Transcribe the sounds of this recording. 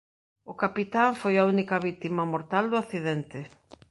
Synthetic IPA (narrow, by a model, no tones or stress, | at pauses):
ʊkapit̪aɱfojaunikɐβit̪imɐmoɾt̪ald̪ʊaθiðɛnt̪ɪ